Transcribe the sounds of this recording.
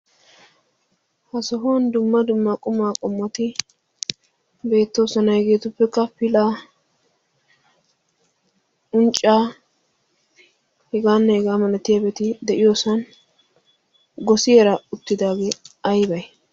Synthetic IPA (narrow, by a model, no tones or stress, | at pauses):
hɐsɔɦoːnd̪ʊmːɐd̪ʊmːakʼʊmaːkʼɔmːɐt̪ɪ | be̞ːt̪ːo̞ːsɐnɐhɛɡe̞ːt̪ʊpːɛkːɐpɪlaː | ʊnt͡ʃʼːaː | hɛɡaːnːɛhɛɡaːmɐlɐt̪ːɪjabɛt̪ɪd̪ɛʔɪjoːsɐn | ɡɔsɪjɛɾɐʊt̪ːɪd̪aːɡeːɐjbɐj